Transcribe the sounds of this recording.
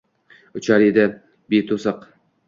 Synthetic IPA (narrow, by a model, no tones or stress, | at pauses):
ʊt͡ʃʰaɾid̪ɪ | bet̪ʰosɨq